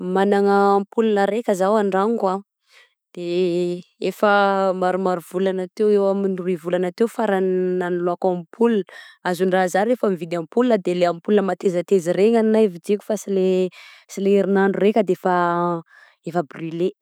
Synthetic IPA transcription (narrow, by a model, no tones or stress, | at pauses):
manaŋəːmpulunəɾekʲəzawaɳɖ͡ʐaŋka | d̪̥e | efəmaɾumaɾuvulanat̪ewewaminruivulanat̪ewfaɾannaniluakamipʰulunəazuɳɖ͡ʐazaɾefamivid̪ampulinəd̪eleamipulnəmat̪ezət̪ezireŋaninavid͡ʒiku̥fasilesileiɾinaɳɖ͡ʐurekʲəd̪eefa | efəbryle